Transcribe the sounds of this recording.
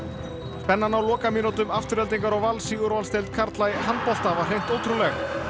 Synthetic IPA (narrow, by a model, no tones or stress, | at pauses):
spɛnːanawlɔːkamɪnɔt̪ʏmaft̪ʏɾɛlt̪iŋkaɾɔwvalsiɣʏɾɔalst̪ejlt̪̚kʰaɾt̪lajhanpɔft̪avar̥ejn̥t̪oːwt̪ɾulɛx